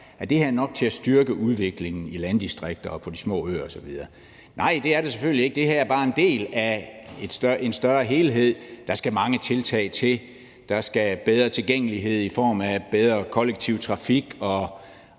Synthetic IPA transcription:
æd̥e̝hæɐnɒ̽ɡ̥̚t͡sʰe̝æsd̥yɐɡ̥əʔuð̞ˠʋe̝ɡ̥le̝ŋn̩ilænd̥isd̥ʁeɡ̥̚d̥ɐɒpʰɒ̽d̥ismɔ̰̽ːø̰ːɐɒsɒ̽ʋiðˠɐː | nʔɑ̈ɪ̰d̥e̝æɐɾ̥e̝seføl̰lie̝ɡ̥̚d̥e̝ɦæɐ̰ɐbɑ̈ːe̝nd̥e̝̰ːlæed̥sd̥e̝nsd̥ɶɐɦe̝ːlɦe̝ð̞̰ˠd̥ɑ̈sɡ̥æmɑ̈ŋət͡sʰe̝lt͡sʰɛ̰ːɪt͡sʰe̝l | d̥ɑ̈sɡ̥æb̥eð̞ˠʁɐt͡sʰe̝lɡ̥eŋ̰əliɦe̝ð̞̰ˠifɒ̰ːmæb̥eð̞ˠʁɐkʰɒ̽leɡ̥̚t͡sʰiʊ̰t͡sʰʁɑ̈fiɡ̥ɒ̽

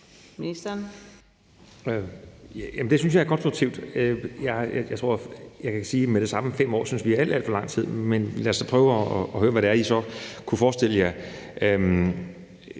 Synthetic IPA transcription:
minisd̥ɐn | jæmnd̥e̝synsjɑ̈ɪɐkʰɒ̽nsd̥ʁʊɡ̥̚t͡sʰiʊ̰d̥øjɑɪjajät͡sʰo̝ɐ̰jɑ̈ɪkʰæsiːmeɾ̥e̝sɑ̈məfem̰ɒ̰ːsynsʋiææl̰d̥æl̰fɒ̽lɑ̈ŋ̰t͡sʰið̞̰ˠmenlæɐsːɒpʰʁœːʊɒːɦøːɐʋæɾe̝æɐisɒ̽kʰufɒːsd̥el̰əjɑ̈ɪøm

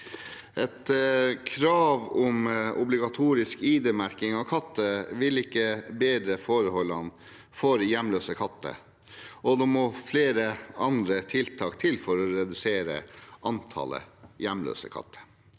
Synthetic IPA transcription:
ʔɛt̪kʰɾɑːʋɔmʊblɪɡɑt̪ʰuːɾɪskiːd̪eːmæɾkɪŋɑʋkʰɑt̪ːəʋɪlɪkːəbeːd̪ɾəfoːɾəhɔlːɑn | fɔɾjæmløːsəkʰɑt̪ːə̰ | ɔd̪ɔmɔfleːɾəɑnd̪ɾət̪ʰɪlt̪ʰɑːkt̪ʰɪlfɔɾɔɾɛd̪ʉseːɾə̰ʔɑnt̪ʰɑ̰lə̰jæmlø̰ːsə̰kʰɑ̰t̪ʰːə̥

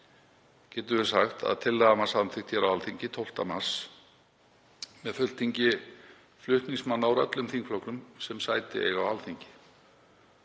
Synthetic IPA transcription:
cɛːt̪ʏvɪ̥saxt̪a̰ðt̪ʰɪlːaðamasaðmθɪkt̪çɛɾawalθiɲcɪt̪ʰowl̥t̪amas | mɛðfʏl̥t̪ʰiɲcɪ | flʏht̪niŋsmanːawɾœ̰t̪lʏmθiŋkflɔwknʏmsɛmsaːjt̪ɪ̰ɛ̰ɣawalθiɲcɪ̥

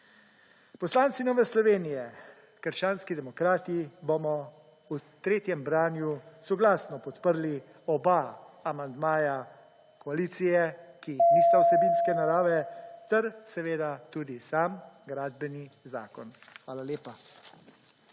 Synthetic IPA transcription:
pɔslaːnt̪sinɔːʋɛslɔʋeːnijɛ | kəɾʃt͡ʃaːnskid̪ɛmɔkɾaːt̪ibomɔ | ut̪ɾeːt̪jɛmbɾaːnjusɔɡlaːsnɔpɔt̪pəɾli | ɔbaː | mand̪maːja | kɔaliːt̪sijɛkinist̪awsɛbiːnskɛnaɾaːʋɛt̪ɛɾsɛʋeːd̪at̪uːd̪isaːmɡɾaːd̪bɛniza̰ːkɔn | xʋaːlaljeːpa

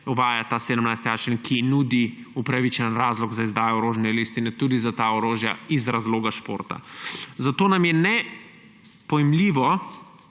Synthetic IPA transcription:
uʋaːjat̪aːseːd̪əmnajst̪iaːt͡ʃinkʰinuːd̪iupɾaʋit͡ʃənɾaːzlɔɡzaizd̪aːjɔoɾoːʒnɛlist̪inɛt̪uːd̪izat̪aɔɾoːʒja̰izɾazloːɡaʃpo̰ːɾt̪a̰zat̪oːnamjɛnɛ | pɔjɛmliːʋɔ

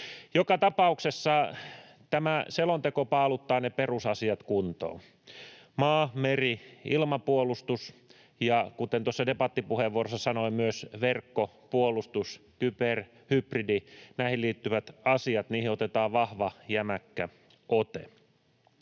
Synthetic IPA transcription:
jokɑt̪ɑpɑuksesːɑ | t̪æmæselont̪ekopɑːlut̪ːɑːneperusɑsiɑt̪kunt̪o̰ː | mɑːmeriilmɑpuolust̪us | jɑkut̪ent̪uosːɑdepɑt̪ːipuheʋːuorosːɑsɑnoimyøsʋerkːo | puolust̪uskyper | hypridinæihilliːt̪ːyʋæt̪ɑsiɑt̪niːhiot̪et̪ɑːʋʋɑhʋɑjæmækːæ | ʔot̪ḛ

